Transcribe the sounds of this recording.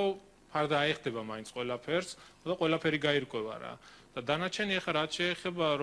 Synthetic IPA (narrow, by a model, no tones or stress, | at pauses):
ɔ | pʰaɾd̪aːɛχd̪ɛbamaint̪sʰʼqʼwɛlapʰɛɾsɔd̪aqʼwɛlapʰɛɾiɡaiɾkʼwɛva̰ɾa̰d̪̥ad̪anat͡ʃʰɛniɛχaɾat̪ʰʃɛːχɛbaɾ